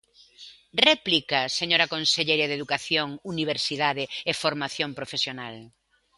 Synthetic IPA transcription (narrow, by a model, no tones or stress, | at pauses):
rɛplikɐseɲoɾɐkonseʎejɾɐðeðukaθjoŋuniβ̞eɾsiðaðɪefoɾmaθjompɾofesjonal